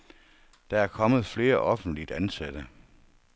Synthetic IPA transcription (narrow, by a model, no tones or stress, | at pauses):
d̥ɑ̈æɐkʰɒ̽mð̩ˠfle̝ːɐʔɒfn̩d̥lid̥ænsæd̥ə